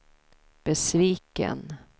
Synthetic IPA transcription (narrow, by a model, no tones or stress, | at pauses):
b̥ɛsviːkə̰n